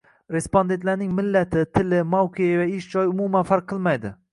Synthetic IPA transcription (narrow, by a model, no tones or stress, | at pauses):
ɾe̞spond̪et̪laɾnɪŋmɪlːat̪ʰɪt̪ʰɪlɪmawqʰeavaɪʃd͡ʒɒjʊmumanfaɾq̚ʰːɨlˠmajd̪ɪ